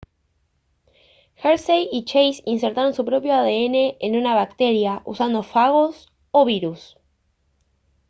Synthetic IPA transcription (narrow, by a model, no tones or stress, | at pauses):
xeɾsejit͡ʃejsinseɾt̪aɾo̞nsupɾo̞pjo̞aðeene̞ʔenunaβak̚t̪e̞ɾjaʔṵsand̪o̞faɣ̞o̞s | oβiɾus